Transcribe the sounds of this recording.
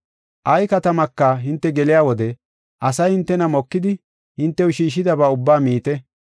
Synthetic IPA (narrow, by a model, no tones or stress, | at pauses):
ʔɐjkɐt̪ɐmɐkːɐɦɪnt̪ːɛɡɛlɪjaːwɔd̪ɛ | ʔɐsɐjhɪnt̪ːɛnɐmɔkːɪd̪ɪ | hɪnt̪ːɛwʊʃiːʃ̬ːɪd̪ɐbaʊbːaːmiːt̪ɛ